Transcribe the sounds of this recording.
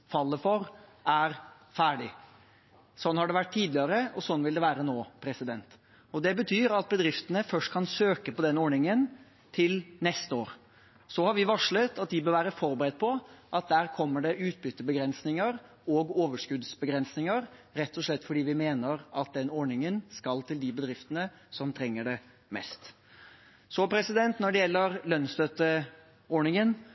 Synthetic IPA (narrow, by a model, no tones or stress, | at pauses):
fɑlːəfɔɾæɾ | fæːɖɪ | sɔnhɑɖɛʋæʈ̚t̪ʰiːd̪lɪəɾəɔsɔnːʋɪld̪ɛʋæːɾənoːpʰɾɛsɪd̪ɛnt̪ | ɔd̪ɛbət̪ʰyːɾɑt̪̚bəd̪ɾɪft̪ənəfœʂʈkʰɑnsøːkəpɔd̪ɛnɔɳɪŋən | t̪ʰɪlnɛst̪əoːɾ | sɔhɑɾʋɪʋɑʂɭət̪ɑt̪̚d̪ɪbøːɾʋæːɾəfɔɾbəɾɛd̪̚pʰɔʔɑt̪̚d̪æːɾkʰɔmːəɖɛʔʉːt̪̚bʏt̪ːəbəɡɾɛnsnɪŋəɾ | ɔːɡoːʋəʂkʉd̪sbəɡɾɛnsnɪŋəɾɾɛt̪ʰːɔʂɭɛt̪ːfɔɖiːʋɪmeːnəɾɑt̪̚d̪ɛnɔɳɪŋənskɑlt̪ʰɪld̪ɪbəd̪ɾɪft̪ənə | sɔmt̪ʰɾɛŋːəɖɛ | mɛ̰st̪ | sɔpʰɾɛsɪd̪ɛnt̪nɔɖɛjɛlːəɾlœnst̪øt̪ə | ɔɳɪŋən